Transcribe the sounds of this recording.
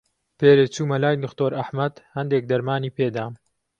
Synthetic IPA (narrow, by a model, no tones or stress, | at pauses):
peːɾet͡suːmɐlaːjd̪ʊxt̪oːɾʔɐħmɐd̪hɐnd̪ek̚d̪ɐɾmaːniːpeːd̪aː